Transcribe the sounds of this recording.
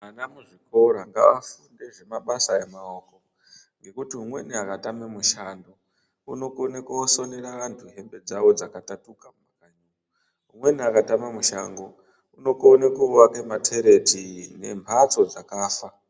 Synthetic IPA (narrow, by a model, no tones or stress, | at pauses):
manamuʐiko̞ɾaŋɡa̰ʋa̰funde̞ʐe̞maɓasae̞maoːko̞ | ŋɡe̞kutiumwe̞̰niakatamemuʃando | ṵno̞konekuoso̞neraʋantʰuɦe̞mbe̞d͡zaʋo̞d͡zakatatukamumakaɲuːro | umwe̞niakatamamuʃaŋɡo | uno̞konekuuwake̞matʰe̞ɾe̞tine̞̰mpʰat͡so̞d͡zakaːfa